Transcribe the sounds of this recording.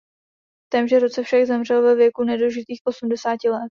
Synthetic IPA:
t̪ɛmʒɛɾo̞t͡sɛfʃaɡzɛmr̝ɛlvɛvjɛkunɛdoʒɪt̪iːxʔo̞sumdɛsaːcɪlɛt̪

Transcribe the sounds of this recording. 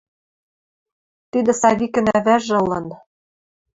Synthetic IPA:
t̪yd̪ɘ̆sɑβʲikɘ̆næβæʒɤ̆lːɤ̆n

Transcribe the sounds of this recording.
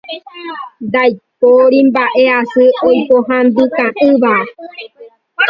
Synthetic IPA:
d̪ajpoɾimbaʔeasɨojpoɦãnd̪ɨkãʔɨβa

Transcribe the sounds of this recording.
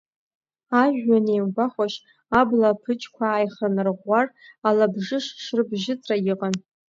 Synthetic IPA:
aʒᶣːanejmɡʷaχʷaʃ | ablapʰɨt͡ʃʰʼkʷʰaːjχanɨrʁʷaralabʐɪʂʂrɨbʒɪt͡sʼrajɪqʼan

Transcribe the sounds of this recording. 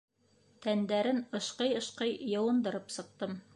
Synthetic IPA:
t̪ænd̪æɾɘnɤ̆ʃqɤjɤ̆ʃqɤjjɤ̆wɤ̆nd̪ɤ̆ɾɤpsɤ̆q̚t̪ɤm

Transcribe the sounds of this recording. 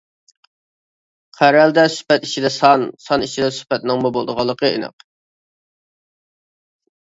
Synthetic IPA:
qʰæɾɛld̪ɛsy̥pɛt̪i̥t͡ʃʰid̪ɛsɑnsɑnit͡ʃid̪ɛsy̥pɛt̪̚nɪŋmubolˠd̪əʁɑlˠːəqəḛnɨ̰q

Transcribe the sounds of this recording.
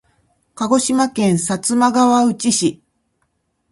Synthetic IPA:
kaɡo̞ɕimakẽ̞ɰ̃sat͡sɨmaɡaβaɯ̟t͡ɕiɕi

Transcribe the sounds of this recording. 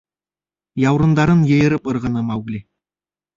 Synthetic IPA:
jɑwɾɤ̆nd̪ɑɾɤnjɤ̆jɤ̆ɾɤpɤ̆ɾʁɤ̆nɤmɑwɡlʲi

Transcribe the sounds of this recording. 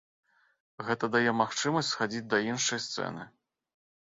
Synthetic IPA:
ɣɛt̪ɐd̪ajɛmaxt͡ʂɨmɐsʲtʲsxad͡zʲid͡zʲd̪ɐinʂɐjst̪sɛ̰nɨ̰

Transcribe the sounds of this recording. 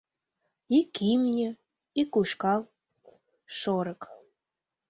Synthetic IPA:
ikimnʲə̆ | ikuʃkɑl | ʃoɾə̆k

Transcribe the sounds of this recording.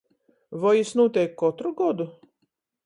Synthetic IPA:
vɔjisnuːt̪ʲɛjkːɔt̪ɾuɡɔd̪u

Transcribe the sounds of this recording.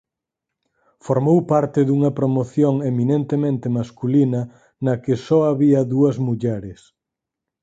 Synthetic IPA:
foɾmowpaɾt̪ɪðuŋɐpɾomoθjoŋeminent̪emẽnt̪ɪmaskulinɐ | nɐkɪsɔaβiɐðuɐzmuʎɛɾɪs

